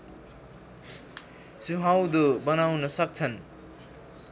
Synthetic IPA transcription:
suɦawd̪obʌnawnʌsʌk̚t͡sʰʌn

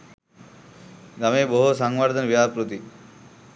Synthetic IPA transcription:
ɡameboɦosaŋwaɾd̪ʱanbiapɾot̪i

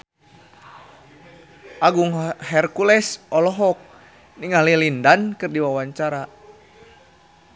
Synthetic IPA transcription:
ʔaɡuŋhɛrkulɛsʔɔlɔɦɔk̚ | niŋalilindankɨrdiwawaɲt͡ʃaɾa

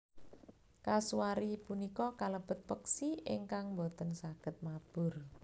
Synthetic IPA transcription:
kasuaɾipunikɔkaləb̥ə̤t̪̚pəksiʔɪŋkaŋmbot̪ənsaɡ̥ə̤t̪̚mab̥ʊ̤r

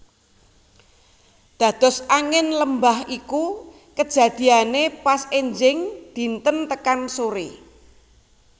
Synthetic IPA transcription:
d̪̥ä̤d̪̥ɔ̤saŋɪnləmbahiku | kə̥d͡ʒ̥ä̤d̪̥i̤anepaseɲd͡ʒɪŋd̪̥i̤nt̪ənt̪əkansoɾḭ

